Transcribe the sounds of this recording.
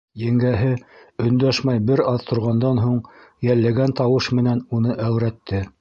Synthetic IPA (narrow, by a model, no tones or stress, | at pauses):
jæ̆ŋɡæɦɘɵ̆nd̪æʃmæjbɘɾɑðt̪ʰŏɾʁɑnd̪ɑnɦuɴjælːæɡænt̪ɑwɤʃmɘ̆nænunɤʔæwɾæt̪ːɘ